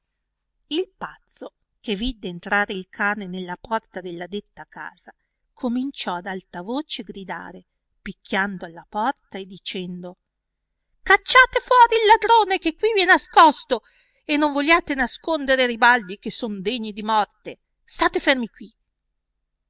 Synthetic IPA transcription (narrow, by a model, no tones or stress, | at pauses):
ilpat̪sːo | kevːid̪ːeːnt̪ɾaːɾeilkʰaːnenelːapɔrt̪ad̪elːad̪et̪ːaka̰ːz̥a | kʰomint͡ʃɔad̪alt̪avoːt͡ʃeɡɾid̪a̰ːɾe | pikʰʲːjand̪oalːapɔrt̪aed̪ːit͡ʃɛnd̪o | kat͡ʃːaːt̪efwɔːɾiːlːad̪ɾoːnek̟ekːwiviɛnaskɔst̪o | enːoɱvolːaːt̪enaskond̪eɾeɾibald̪ik̟esːond̪eɲːid̪imɔrt̪e | st̪aːt̪efermikwi